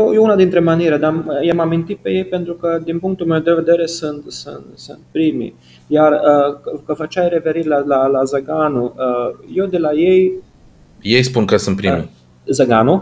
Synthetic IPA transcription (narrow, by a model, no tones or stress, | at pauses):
jojeunad̪int̪ɾe̞maniɾed̪amjamamint̪it̪̚pe̞je̞jpe̞nt̪ɾukəd̪inpuŋkt̪ulmewd̪e̞ve̞d̪e̞ɾe̞sɨnt̪sɨ̰nt̪sɨ̰nt̪̚pɾimḭ | jarəkəfət͡ʃajɾe̞fe̞ɾit̪ʲlalalazəɡanuəjewd̪elajej | jejspunkəsɨnt̪̚pɾḭmḭ | zəɡanu